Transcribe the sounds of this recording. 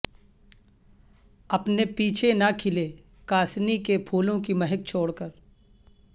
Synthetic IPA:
ɐpnepiːt͡ʃʰenakʰɪle | kaːsnikepʰuːlõkimɐɦək̚t͡ʃʰoːɽkəɾ

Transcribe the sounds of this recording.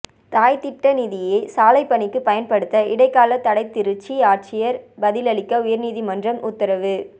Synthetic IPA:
t̪aːjt̪ɪʈːɐniːðɪjɐɪsaːlɐɪpːɐɳɪkːɯpɐjɐnpɐɽɯt̪ːɐɪɽɐɪkːaːlɐt̪ːɐɽɐɪt̪ːɪɾɯt͡ʃːiaːɾt͡ʃɪjɐɾbɐðɪlɐɭɪkːɐʊjɐɾniːðimɐndrɐmʔʊt̪ːɐɾɐʋɯ

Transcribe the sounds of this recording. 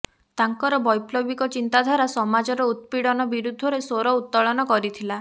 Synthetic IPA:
t̪aŋkɔɾɔbɔjplɔbikɔt͡ʃint̪ad̪ʱaɾasɔmad͡ʒɔɾɔut̪̚piɽɔnɔbiɾud̪ʱːɔɾesoɾɔut̪ːɔɭɔnɔkɔɾit̪ʰila

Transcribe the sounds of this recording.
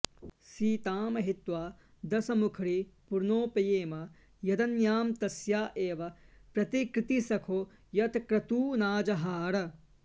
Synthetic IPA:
siːt̪aːmɐɦit̪ʋaː | d̪ɐsɐmukʰɾipuɾnoːpɐjeːmɐ | jɐd̪ɐnjaːmt̪ɐsjaːʔeːʋɐpɾɐt̪ikɾɪt̪isɐkʰoː | jɐt̪kɾɐt̪uːnaːd͡ʒɐɦaːɾɐ

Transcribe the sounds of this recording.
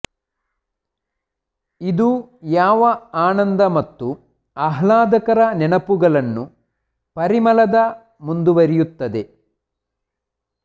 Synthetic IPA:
id̪ujaːʋɐaːnɐnd̪ɐmɐt̪ːu | ɐɦlaːd̪ɐkɐɾɐnɛnɐpuɡɐɭɐnːu | pɐɾimɐlɐd̪ɐ | mund̪uʋɐɾijut̪ːɐd̪e̞

